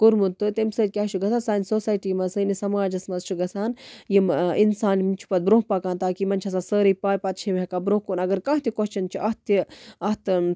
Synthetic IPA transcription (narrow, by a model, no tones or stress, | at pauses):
kuɾmut̪ːɨt̪emsəːd̪̚ʲkʲaːt͡ʃʰuɡɐsaːnsaːnsoːsaːjʈiːmɐsɨnisɐmaːd͡ʒɐsmɐzt͡ʃʰuɡɐsaːnjiminsaːnmnt͡ʃʰu̥pɐt̪̚bɾõːɦpɐkãːnt̪aːkimɐnʲt͡ʃʰɐs̬aːsəːɾipaːjpɐt̪̚t͡ʃʰimɦekabɾõɦkoːnɐɡɐɾkãːɦt̪ikoɦt͡ʃʰɐnt͡ʃʰiʔɐɦt̪iɐt̪